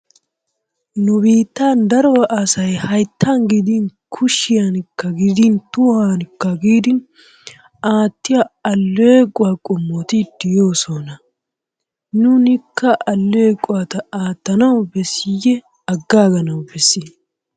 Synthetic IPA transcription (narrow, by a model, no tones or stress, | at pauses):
nʊbiːt̪ːaːnd̪ɐɾɔwʔɐsɐjhɐjt̪ːaːnɡɪd̪inkʰʊʃɪjɐnkːɐɡɪd̪ɪnt̪ʊhaːnɪkːɐɡiːd̪ɪn | aːt̪ːɪjɐɐlːɔekʼːʊwaːkʼɔmːot̪id̪ɪjoːsoːnɐ | nʊnɪkːɐʔɐlːɔekʼːʊwaːt̪ɐaːt̪ːɐnɐwbɛsɪjːɛ | ɐɡːaːɡɐnɐwbɛsːɪ